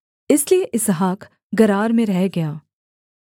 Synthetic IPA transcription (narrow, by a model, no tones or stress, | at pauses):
ɪslieʔɪsɦaːk | ɡɐɾaːɾmẽɾɛɦɡɐjaː